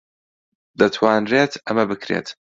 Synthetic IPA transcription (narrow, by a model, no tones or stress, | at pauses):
d̪ɐt̪ʰwaːnreːt̪ʰɐmɐbɨkʰɾḛːt̪